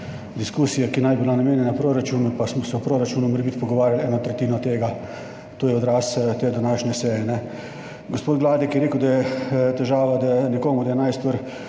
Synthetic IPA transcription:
d̪iskuːsijakinajbilanameːnjɛnapɾoːɾat͡ʃuːnupasmɔsɛwpɾoɾat͡ʃuːnumɛɾbit̪pɔɡɔʋaːɾʲjalɛːnɔt̪ɾɛt̪iːnɔt̪eːɡa | t̪oːjɛɔd̪ɾaːst̪eːd̪anaːʃnʲɛsɛːjɛnɛ | ɡospoːt̪ʋlaːd̪ikjɛɾeːkəwd̪ajɛt̪ɛʒaːʋad̪ajɛnɛkoːmud̪ajɛnajst̪ʋəɾ

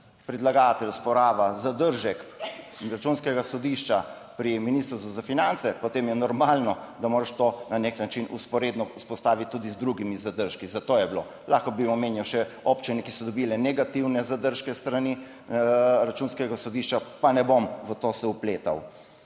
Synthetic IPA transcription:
pɾɛd̪laɡat̪ɛlʲspɔɾaːʋazad̪əɾʒɛkɾat͡ʃunskɛɡasɔd̪iʃt͡ʃa | pɾiminist̪ɾst̪uzafinant̪sɛpot̪eːmjɛnɔɾmaːlnɔd̪amoːɾaʃt̪onaneknat͡ʃinuspɔɾeːd̪nɔuspɔst̪aːʋit̪̚ʲtːud̪izd̪ɾuɡimizad̪əɾʃkizat̪oːjɛblo̰ | laːxkɔbiɔmeːnjawʃɛopt͡ʃinɛkisɔd̪ɔbilɛnɛɡat̪iwnɛzad̪əɾʃkɛst̪ɾani | ɾat͡ʃunskɛɡasɔd̪iʃt͡ʃapanɛbomʋət̪osɛupleːt̪a̰w

